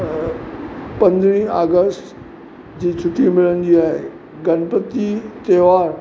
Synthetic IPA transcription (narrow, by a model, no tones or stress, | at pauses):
pɐ̃nd̪ɾĩa̰ːɡəsʈ | d͡ʑiːt͡ɕʰʊʈʰːimɪlənɪd͡ʑiːaːɦḛ | ɡənpət̪it̪eːʋaːɾ